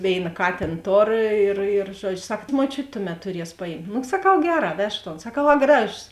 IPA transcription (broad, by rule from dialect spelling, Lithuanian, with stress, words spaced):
ˈʋʲeːɪnɐ ˈkɑːtʲeːn ˈtoːr ɪr ɪr ˈʒuɔd͡ʒʲʊ ˈsɐk muɔˈt͡ʃʲʊtʲ ˈtʊˌmʲɛt tʊˈrʲiɛs pɐˈjɪmt nʊ sɐˈkɐʊ ˈɡʲæːˌrɑː ˈʋʲɛʃk toːn sɐˈkɐʊ ɐ ˈɡrɑːʒoːs